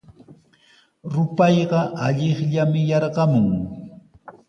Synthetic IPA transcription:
ɾʊpɑjɢɑʔaʎeχʎamɪjɑɾɢɑmʊŋ

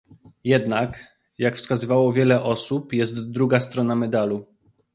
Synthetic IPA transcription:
jɛd̪nak | jakfskazɘvawɔvʲjɛlɛʔɔsupjɛst̪d̪ɾuɡast̪ɾɔnamɛd̪alu

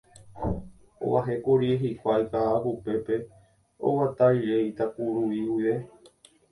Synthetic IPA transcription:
o̰ʋaɦekoɾieɦikʷaekaɦupe̞pe̞ | o̰wat̪aiɾeit̪akuɾuiuʋe

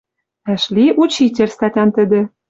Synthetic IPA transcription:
æʃlʲiʔut͡ɕit̪ʲerst̪ɑt̪ʲɑnt̪ɘ̆d̪ĕ

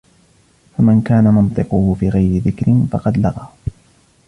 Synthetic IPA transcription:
famankaːnamʊnt̪ˤɨqʊhʊfiːɣajɾɪðɪkɾɪnfɑqɑd̪lɑɣɑː

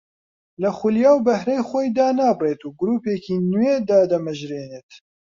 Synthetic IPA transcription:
lɐxuljaːwbɐhɾejxoːjd̪aːnaːbɨreːt̪uːɡʊɾuːpeːkiːnuweːd̪aːd̪ɐmɐʒɾeːneːt̪

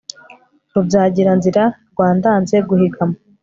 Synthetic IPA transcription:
ɾubzaːɟiɾanziɾaɾɡwaːndaːnze̞ɡuhiɡamo

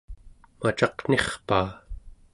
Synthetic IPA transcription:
mat͡ʃɑqn̥e̞χpaː

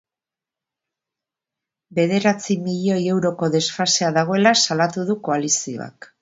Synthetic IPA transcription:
be̞ð̞e̞ɾat͡simiʎo̞je̞wɾo̞ko̞ðe̞sfase̞aðaɣ̞o̞e̞lasalat̪uðuko̞alisio̞̰a̰k

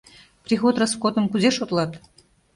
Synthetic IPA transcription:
prʲixot̪roskot̪ə̆mkuzeʃot̪lɑt̪

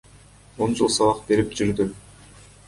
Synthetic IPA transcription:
o̞nd͡ʒɨlˠsɑβɑq̚be̞ɾip̚d͡ʒyɾd̪y

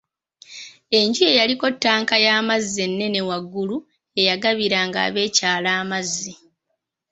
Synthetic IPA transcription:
e̞ɲɟuje̞jaliko̞tːaːŋkajaːmazːe̞nːe̞ne̞waɡːulu | e̞jaɡaβiɾaŋɡa̰ːβe̞ːcaːlaːmazːi

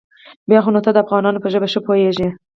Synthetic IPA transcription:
bjɑxonot̪ad̪əafɣɑnɑnopəʒəbaʃəpoeʒi

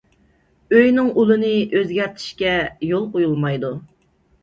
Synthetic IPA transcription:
øjnɪŋulˠɨnɨøzɡʲɛɾt̪ʰi̥ʃkʲɛjolˠqojulˠmɑjd̪u

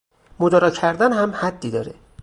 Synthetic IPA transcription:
mod̪ɒːɾɒːcʰæɾd̪ænhæmhæd̪ːiːd̪ɒ̰ːɾe

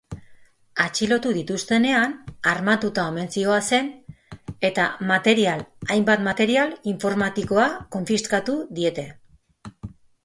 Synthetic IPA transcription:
at͡ʃilo̞t̪uðit̪ust̪e̞ne̞anaɾmat̪ut̪ao̞me̞nsio̞ase̞n | e̞t̪amat̪e̞ɾialajmbat̪mat̪e̞ɾialiɱfo̞ɾmat̪iko̞ako̞ɱfiskat̪uðie̞t̪e̞

